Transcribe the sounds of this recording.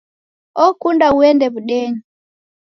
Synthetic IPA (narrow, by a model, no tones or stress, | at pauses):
ʔɔkundauwɛndɛbuɗɛŋ